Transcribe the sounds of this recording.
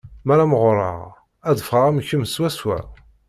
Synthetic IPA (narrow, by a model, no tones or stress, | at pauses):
mæɾˤaməʁɾˤə̰ʁ | æðəfəɾˤæmçəmswæswæ̰